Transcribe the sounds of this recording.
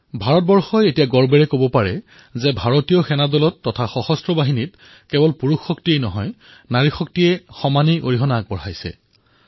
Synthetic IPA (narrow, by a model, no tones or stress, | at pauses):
bʱaɹɔt̚bɔɹxɔjetijaɡɔɹbɛɹɛkobɔpaɹɛ | zɛbʱaɹotijɔxɛnadɔlɔtːɔtʰaxɔxɔstɹɔbaɦinit | kɛbɔlpuɹuxːɔktiejnɔɦɔjnaɹixɔk̚tiɛxɔmaniʔo̰ɹiɦɔnaːk̚bɔɹɦajsɛ̰